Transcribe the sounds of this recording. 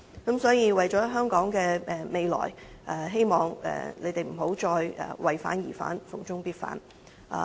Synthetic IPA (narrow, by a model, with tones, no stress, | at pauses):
kɐ˨˥msɔː˨˥jiː˧wɐ˨jt͡sɔː˨˥ɦœː˥ŋkɔː˨˥ŋkɛː˧ʔɛ˨˩me˨˧jlɔ̰ː˨˩jʔɛː˨˩ɦe˥jmɔː˨ŋɛ̰ː˨˩ne˨˧jt̪e˨˩jm̩˨˩ɦo˨˥wt͡ʃɔː˧jɛ̰ː˨˩wʔɐ˨jfa̰ː˨˥njḭː˨˩fa̰ː˨˥nfʊ˨˩ŋt͡sʊ˥ŋpiː˥t̚fa̰ː˨˥n | ʔa̰ː˨